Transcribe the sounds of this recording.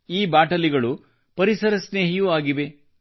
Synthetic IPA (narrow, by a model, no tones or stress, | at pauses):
iːbaːʈɐliɡɐɭu | pɐɾisɐɾɐsneːɦijuaːɡiʋe